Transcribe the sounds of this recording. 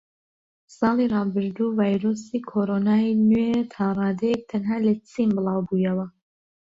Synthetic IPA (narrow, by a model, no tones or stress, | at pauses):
sɑːlˠiːrˤɑːbɨɾd̪uːvaːjɾoːsiːkʰoːɾoːnaːinet̪ʰɑːrˤɑːd̪ɛjek̚t̪ʰɐnɦaːlɐt͡sʰimbɨlˠɑːwbuːjɐwɐ